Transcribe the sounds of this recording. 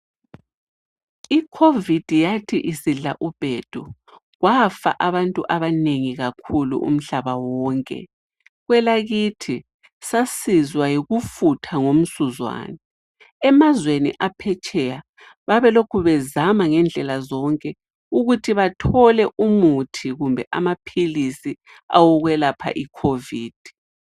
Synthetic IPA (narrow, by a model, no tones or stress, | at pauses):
ikʰovid̥ʱijatʰiʔisiɮaʔub̥ʱɛd̥ʱu | ɣwafa̰ʔaβantʼuʔaβaneŋiɣakʰulṵʔṵm̩ɬaβawɔːŋkʼɛ̰ | ɣwɛlaɣitʰi | sasizwajiɣufutʰaŋom̩suzwa̰ːnɛ | ɛmazwenḭʔapʰɛt͡ʃʼɛja | βaβɛlokʰuβɛzamaŋɛnd͡ɮʱɛlazɔŋkʼɛ | uɣutʰiβatʰɔlɛʔumutʰiɣumbʱɛʔa̰mapʰilisi | a̰wɔɣwɛlapʰa̰ʔikʰoviːd̥ʱi̥